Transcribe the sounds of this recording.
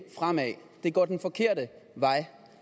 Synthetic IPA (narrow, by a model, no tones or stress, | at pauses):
fʁam̰ɛ | d̥e̝ɡ̥ɒ̰ːd̥enfɒ̽kʰe̝ɐ̰də | ʋɑ̈ɪ̰